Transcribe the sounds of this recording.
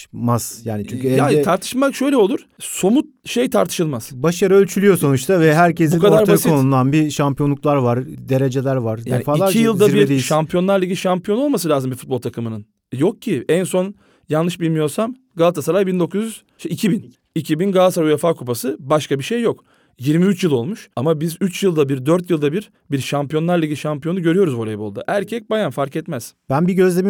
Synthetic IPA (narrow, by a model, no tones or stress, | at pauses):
maz̥jaːnit͡ʃyɲʲcyɛatʰaɾt̪ʰɯ̥ʃɯmakʃø̞jlʲɛolˠuɾ̥ | so̞mut̪̚ʃe̞jt̪ʰaɾt̪ʰɯ̥ʃɯlˠmaz̥baʃaɾɯølʲt͡ʃʰylʲyjo̞so̞nut͡ʃt̪ʰavɛɦæɾcʰesbuinkad̪aɾb̪askionund̪anbiʃampʰijo̞nˠuklˠaɾvaɾd̪e̞ɾe̞d͡ʒe̞lʲæɾvaɾdj̪ːenifaːliaɾijɯlˠd̪aɾbiɾd̪eʃampijo̞nˠaɾlʲˠaicʲiiʃampijo̞no̞lˠmasɯlʲaːzɯmbifut̪̚bolˠt̪ʰakɯmɯnɯn | jo̞k̚cʰiænso̞n | jannːɯʃbilʲmijo̞ɾsam | ɡalˠat̪ʰasaɾajbind̪o̞kʰuzjyz̥ | ʃicʰibin | icʰibinɡalˠasaɾujefaːkʰup̬asɯbaʃkabiʃejːo̞k | jiɾmiyt͡ʃjɯlˠo̞lˠmuʃamabizyt͡ʃjɯlˠd̪abiɾd̪øɾt̪jɯlˠd̪abiɾ | biɾʃampijo̞nlˠaɾlˠaɟʲiʃampijo̞nuɟø̞ɾyjo̞ɾuzvoɾejbo̞lˠd̪a̰ʔæɾcʰɛc̚bajanfaɾkɛt̪mɛz̥b̥ænbiɟø̞zlʲemi